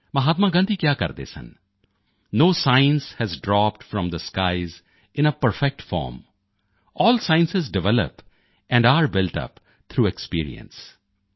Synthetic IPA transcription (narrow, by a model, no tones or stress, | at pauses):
mɐɦaːt̪maɡə̃nd̪ʱikjaːkɐ̰ɾd̪ḛsɐ̰̃nː | oːsaɪə̃nshɛzɖɾɔːp̚ʈfɾɔ̃md̪əskaɪz | ɪ̃nəpəɾfɛk̚ʈfɔ̰ːɾm | ɔːlsãɪ̃nsɪzɖɪʋɛlə̰p | ɛ̃ɳɖaɾbɪlʈʌ̰p | t̪ʰɾuːɛkspḭːɾḭə̰̃ns